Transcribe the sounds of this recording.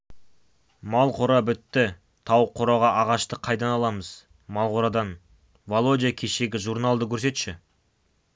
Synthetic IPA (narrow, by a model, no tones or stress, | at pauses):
mɑlˠqʰoɾɑbʏt̪ːɪ | t̪ʰɑwqʰoɾɑʁɑʔɑʁɑʃt̪əqʰɑjd̪ɑnɑlˠɑməz | mɑlˠqoɾɑd̪ɑn | volˠod̪ʲijakʲʰe̞ʃe̞ɡʲɪʒuɾnalˠd̪əkʲʰɵɾs̬e̞t̪ʃɪ